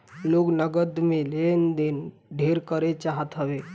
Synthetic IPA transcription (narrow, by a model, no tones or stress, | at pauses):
loːknəɡəd̪melend̪en | ɖʱeɾkəɾet͡ʃaɦət̪ɦəʋe